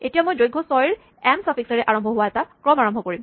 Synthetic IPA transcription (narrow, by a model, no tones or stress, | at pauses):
etijamojdojɡʱɔsɔjɹ | ɛmsapʰiksaɹɛʔaɹɔmbʱɔɦʊwaɛtakɹɔmaɹɔmbʱɔkoɹim